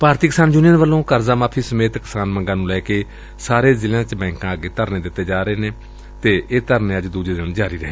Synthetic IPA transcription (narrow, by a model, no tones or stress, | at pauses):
paːɾt̪iːkɪsaːnd͡ʒʊnijəːnʋəlːõːkəɾzaːmaːpʰiːsəmeːt̪kɪ̥saːnməŋɡãːnũːlɛːkeː | saːɾeːzɪljãːt͡ʃbɛ̃ːŋkãːəɡeːt̪əɾneːd̪ɪt̪ːeːd͡ʒaːɾeːneː | t̪eːʔeːt̪əɾnẽːəd͡ʒd̪uːd͡ʒeːd̪ɪd͡ʒaːɾiːɾəɦeː